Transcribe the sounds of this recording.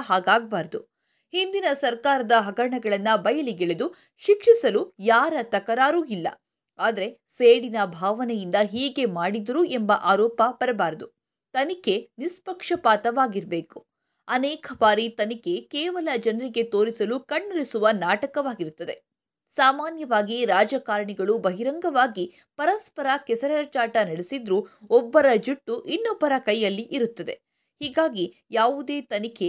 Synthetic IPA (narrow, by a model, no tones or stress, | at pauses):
ɦaːɡaːɡ̚baːɾɐd̪u | hind̪inɐsɐɾkaːɾɐd̪ɐɦɐɡɐɾɐɳɐɡɐɭɐnːɐbɐjɐliɡeɭed̪u | ʃikʂisɐlujaːɾɐt̪ɐkɐɾaːɾuːilːɐ̰ | aːd̪ɐɾe̞ | seːɽinɐbʱaːʋɐnɛjind̪ɐɦiːɡe̞maːɽid̪ɐɾuembɐʔaːɾɔːpɐpɐɾɛbaːɾɐd̪u | t̪ɐnike̞nispɐkʂɐpaːt̪ɐʋaːɡiɾbeːku̥ | ɐnɛːkɐbaːɾit̪ɐnike̞keːʋɐlɐd͡ʒɐnɐɾiɡe̞t̪o̞ːɾisɐlukɐɳːɐɾisuʋɐnaːʈɐkɐʋaːɡiɾut̪ːɐd̪e̞̰ | saːmaːnjɐʋaːɡiɾaːd͡ʒɐkaːɾɐɳiɡɐɭubɐɦiɾɐŋɡɐʋaːɡi | pɐɾɐspɐɾɐkɛsɐɾɐɾɐt͡ʃaːʈɐnɐɽesid̪ɾuɔbːɐɾɐd͡ʒuʈːuʔinːɔbːɐɾɐkɐjːɐlːiʔiɾut̪ːɐd̪e̞̰ | hiːɡaːɡi | jaːʋud̪e̞ːt̪ɐnikʰe